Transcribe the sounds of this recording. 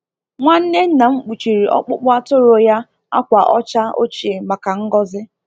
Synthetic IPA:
ŋʷa˦n̩˦ne˦n̩˦na˨ŋ͡m̩˦k͡pu˨t͡ʃi˨ɾi˨ʔɔ̰˦k͡pʊ˦k͡pʊ˦a˦tʊ˦ɾo˨ja˦ | a̰˦kʷa˨ʔɔ˦t͡ʃa˦o̰˦t͡ʃi˨e˨ma˨ka˨ŋ̩˦ɡɔ˦zɪ˦

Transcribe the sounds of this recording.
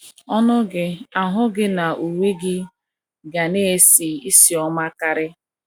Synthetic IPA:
ɔ˦nʊ˦ɡɪ˨a˨ɦʊ˦ɡɪ˦na˨ʔu˨we˦ɡɪ˦ | ɡa˨ne˦e˦si˨i˦si˨˦ɔ˦ma˦ka˦ɾɪ˦

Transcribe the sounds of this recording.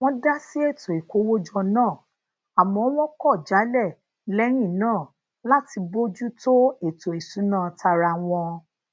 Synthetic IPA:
w̃ɔ̃˦da˦si˦e˦˨to˨i˨ko˨˦wo˦d͡ʒɔ˧nãː˦˨ | a˨mɔ̃˨˦w̃ɔ̃˦kɔ˦˨d͡ʒa˨˦lɛ˦˨ | lɛ˦ɾ̃ĩ˦˨nãː˦˨ | la˦ti˧bo˦d͡ʒu˦to˦e˦˨to˨e˨su˨˦nã˦˨ta˧ɾa˧w̃ɔ̃˧

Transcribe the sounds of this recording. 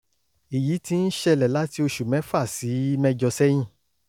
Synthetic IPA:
i˨ji˨˦ti˧˦n̩˦ʃɛ˧lɛ˨la˨˦ti˧˦o˧ʃu˨mɛ̃˨˦fa˦˨si˨˦mɛ̃˧d͡ʒɔ˧sɛ˦j̃ĩ˦˨

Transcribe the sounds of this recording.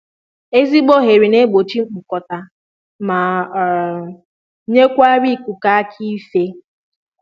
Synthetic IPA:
e˦zi˦ɡ͡bo˦ɦe˨ɾi˨ne˦ɡ͡bo˨t͡ʃi˦ŋ͡m̩˨k͡pʊ˨kɔ˨ta˨ | ma˨ | ɲe˦kʷa˦ɾi˦˨kʷu˨ka˦a˦kʰi˦fe˦

